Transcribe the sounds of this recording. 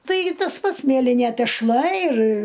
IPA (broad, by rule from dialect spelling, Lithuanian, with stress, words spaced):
ˈtɐɪɡʲɪ ˈtɐs ˈpɐts ˈmʲiɛlʲɪnʲeː tʲɛʃˈlˠɐ ɪr